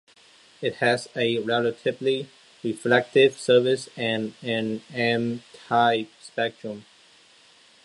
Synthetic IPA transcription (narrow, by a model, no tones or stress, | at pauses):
ɪt̚hɨzɨɹɛlətʰɪvli | ɹiflɛk̚tɪv̥sɜ˞vɪsɨ̃nɨ̃nɛ̃mtʰaɪp̚spɛk̚tɹ̥ə̃m